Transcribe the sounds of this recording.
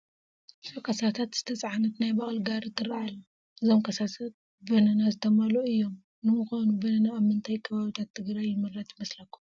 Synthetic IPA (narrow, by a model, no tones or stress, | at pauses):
sokʰɐsat̪ʰat̪z̥ɨt̪ʰɐt͡sʼʕanɐt̪najbaχʼlɡaɾɨt̪ʰːɨraal | ʔɨzo̞mkʰɐsat̪ʰat̪̚ | bɐnɐnazɨt̪ʰɐmaloɨjːo̞m | nɨmɨxojnubɐnɐnaːβmɨnt̪ʰajkʰɐβaβit̪ʰat̪ʰːɨɡɾajːɪmɨrːat̪mɐslɐkːu̥m